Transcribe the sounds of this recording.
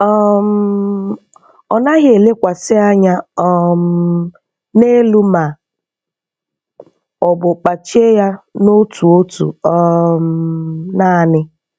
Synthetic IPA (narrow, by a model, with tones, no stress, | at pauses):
ɔ˦m̩ | ɔ˨na˦ɣe˨le˦kʷa˨sɪ˦a˦ɲa˦ɔ˦˨m̩˨ | ne˦lu˦ma˨ | ɔ˨bʊ˨k͡pa˨t͡ʃi˦e˦ja˦no˦tu˨o˦tṵ˨ɔ˦mnaː˦˨nɪ˦